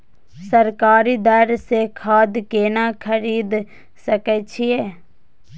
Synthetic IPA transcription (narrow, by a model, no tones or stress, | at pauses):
səɾkaːɾid̪əɾsekʰaːd̪keːnakʰəɾiːd̪ | səkɛt͡ʃʰieː